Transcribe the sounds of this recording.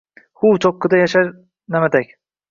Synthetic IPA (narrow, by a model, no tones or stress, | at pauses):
hut͡ʃʰokːɪd̪ajaʃaɾ | namad̪akʲ